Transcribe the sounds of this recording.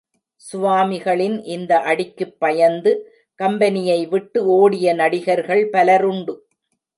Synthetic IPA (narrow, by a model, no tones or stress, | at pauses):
sʊʋaːmɪɣɐɭɪnʔɪnd̪ɐʔɐɽɪkːɯpːɐjɐnd̪ɯ | kɐmbɐnɪjɐɪʋɪʈːɯoːɽɪjɐnɐɽɪɣɐɾɣɐɭpɐlɐɾʊɳɖɯ